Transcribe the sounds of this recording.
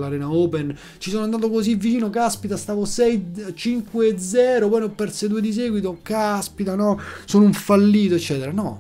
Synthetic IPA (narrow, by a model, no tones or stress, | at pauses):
laɾɛːnaɔːpen | t͡ʃisoːnoand̪aːt̪okozivːit͡ʃiːnokeaspit̪ast̪aːvosɛjt͡ʃiŋkweːd̪zːɛːɾopɔjnopːɛrt̪sed̪uːed̪is̬ɛːɡwit̪okaspit̪anɔsoːnouɱfalːiːt̪oet͡ʃːɛːt̪eɾanɔ